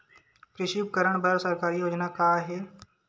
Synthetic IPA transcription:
pɾɪʃuːbkəɾəɽ̃bʱəɾsəɾkaːɾijoːd͡ʒnakaːɦɛː

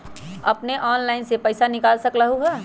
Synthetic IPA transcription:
ɐpneʔɔːnlaːɪnsepəɪsanɪkaːlsəkɾəɦuɦɛː

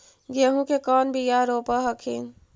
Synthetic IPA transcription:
ɡeɦũkekənbʱijaɾopəɦəkʰḭn

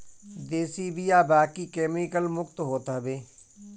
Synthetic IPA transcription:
d̪eːsibʱijaːbaːkikeːmikəlmʊkt̪ɦoːt̪abeː

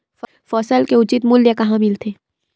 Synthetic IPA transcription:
fɔːsəlkeʊt͡ʃɪt̪mʊljakɐɦãmɪlt̪ʰe

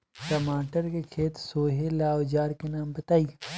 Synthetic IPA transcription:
kɐmaːʈəɾkekʰeːt̪soːɦelaːod͡ʒaːɾkenaːmbɐt̪aːiː

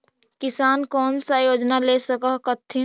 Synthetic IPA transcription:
kɪsaːnkɔːnsajoːd͡ʒnaleːsəkəɦkət̪ʰːi

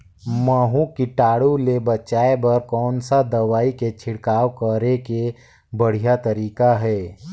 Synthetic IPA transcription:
məːɦũkiʈaːɽulebət͡ʃaːebɐɾkɔːnsad̪ɐʋaːiket͡ʃʰɪɽkaːwkəɾeke | bəɽ̤ijat̪əɾiːkaɦɛː

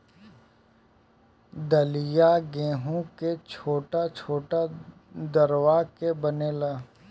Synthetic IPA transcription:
d̪əlɪjaɡẽːɦũket͡ʃʰoːʈat͡ʃʰoːʈa | d̪əɾwakebəneːlaː

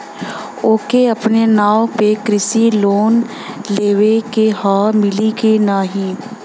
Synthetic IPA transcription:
oːkeɐpnenaːopekɾɪsiloːn | leːʋekehaːmɪliɡenaːɦĩː

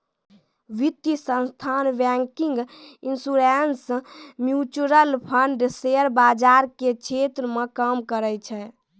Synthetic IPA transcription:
ʋit̪jisə̃nst̪ʰanbɛŋkiŋɡinsuɾensmjut͡ʃuɾəlpʰəɳɖseəɾbad͡ʒaɾkekt͡ʃʰet̪ɾəmekəmkəɾɛt͡ʃʰɛ

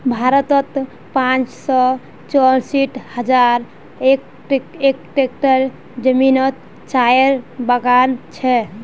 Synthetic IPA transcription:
bʱaɾət̪ɔt̪ | pãt͡ʃsɔ | t͡ʃɔɾsiʈʰhəd͡ʒaɾ | ek | ʈek̚ʈek̚ʈəɾ | d͡ʒəminɔt̪̚ | t͡ʃajəɾbəɡant͡ʃʰɛ

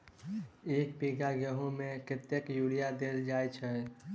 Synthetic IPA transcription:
eːk̚piɡaɡɛɦõmẽkɪt̪ːjəkjuːɽijad̪eːld͡ʒaːjt͡ʃʰɛ

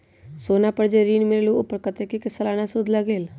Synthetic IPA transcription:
soːnaːpəɾd͡ʒeɾiːnmɪɾlũːʊpːəɾkət̪eːkikɪsəlaːnaːsʊd̪ləɡeːl

